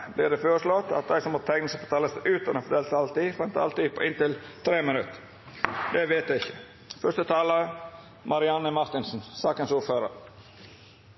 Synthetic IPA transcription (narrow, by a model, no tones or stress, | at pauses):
blɪɖ̪ɛføːɾəʂlɔt̪ːɑ̰t̪̚d̪æɪsɔmɔt̪ʰɛŋnəsəbət̪ʰɑːləsʔʉːt̪ɑnoːfɔd̪ɛːlt̪ɑlt̪iːfɛnt̪ɑ̰lt̪iːpʰɔʔɪnt̪ɪlt̪ʰɾeːmɪnʉt̪ | d̪ɛʋeːt̪d̪æɪçːə̥ | fœʂt̪ət̪ʰɑːlə | mɑɾɪɑnəmɑɾt̪ɪnsn̩sɑːkənsuːɾføːɾə̰ɾ